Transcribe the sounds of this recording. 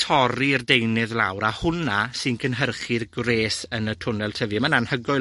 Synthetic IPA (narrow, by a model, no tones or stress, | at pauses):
tʰɔɾirdejnɨðlˠawɾahʊnasɨnkʰənɦərχɪrɡreːsənətʰʊnɛlˠtʰəvɨmənanhəɡʊɨ